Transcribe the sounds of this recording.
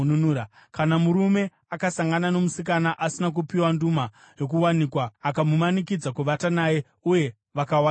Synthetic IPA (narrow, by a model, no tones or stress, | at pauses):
nunuːɾa | kanamuɾume̞ | akasaŋɡanano̞musik̬anaʔasinak̬upiwanduma | jo̞k̬uwanikwaːkamumanikid͡zakuʋatanaːje̞ | uje̞ | ʋakawa